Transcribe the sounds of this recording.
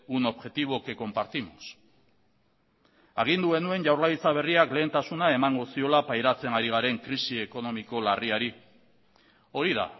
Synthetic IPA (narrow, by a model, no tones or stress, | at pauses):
uno̞βʝe̞t̪iβ̞o̞ke̞ko̞mpaɾt̪imos | aɣ̞ind̪uɣe̞nue̞nʝawɾlajt͡saβ̞e̞riakle̞ːnt̪asunae̞maŋɡo̞sio̞lapajɾat͡se̞naɾiɣ̞aɾe̞ŋkɾisie̞ko̞no̞miko̞lariaɾi | o̞ɾiða̰